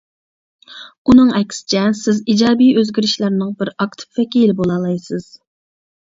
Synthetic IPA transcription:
unɨŋɛkʲʰːsɪ̥t͡ʃʰɛsɪzid͡ʒɑːbijøzɡʲiɾɪʃlæɾnɨŋbɪɾɑkt̪ʰɨ̥p̚vɛkʲijlɪbolˠɑːlˠɑjsɨz̥

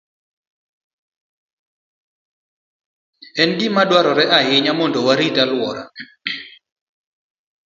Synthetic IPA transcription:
ɛndimadwaɾɔɾɛʔaɦɪɲamɔndowaɾitalwɔɾa̰

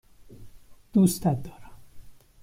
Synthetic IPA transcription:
d̪̥ust̪æt̪̚d̪ɒːɾæm

